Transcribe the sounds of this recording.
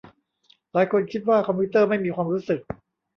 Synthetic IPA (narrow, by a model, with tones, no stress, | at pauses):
laː˨˦jkʰo˧nkʰi˦˥t̪̚waː˥˩kʰɔ˧mpʰuː˦˥t̪ɤː˥˩ma˥˩jmiː˧kʰwaː˧mɾuː˦˥sɯ˨˩k̚